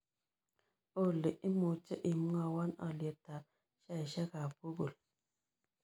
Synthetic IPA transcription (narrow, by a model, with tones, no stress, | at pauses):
o˦˨le˨ʔi˦mu˨t͡ʃə˦ʔi˨mu˦ŋa˨wa˦na̰˨le˨ta˨ | ʃa˦i˨ʃa˦ka˨pu˦ɡo˨l